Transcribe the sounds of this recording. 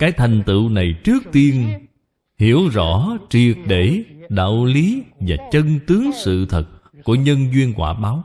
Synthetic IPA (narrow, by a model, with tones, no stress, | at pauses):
kaː˨˦jt̪ʰa˨˩jŋ̟t̪ɨ̰˧˨wna˨˩jt͡ɕɨ˦˥ək̚t̪i˧ən | hi˧˩əwzɔ̰˧˩˥t͡ɕi˨˩ət̚ɗe˧˩ɗa̰ː˧˨wli˨˦vaː˨˩t͡ɕə˧nt̪ɨ˨˦əŋsɨ̰˧˨t̪ʰə˨˩t̚ | ku˧˩əɲə˧nzwi˧ənkwaː˧˩ɓaː˨˦w